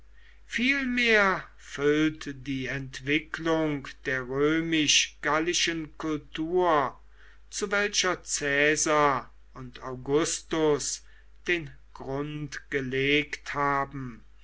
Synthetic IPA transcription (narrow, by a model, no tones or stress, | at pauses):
fiːlmeːɐ | fʏltdiːɛntv̥ɪklʊŋkd̥eːɐʁøːmɪʃɡ̥alɪʃənkʊltʰuːɐ | t͡suvɛlʃɐt͡sɛːza | ʊntaʊɡʊstʊs | d̥eːn | ɡ̥ʁʊntɡ̥əleːkthaːbm̩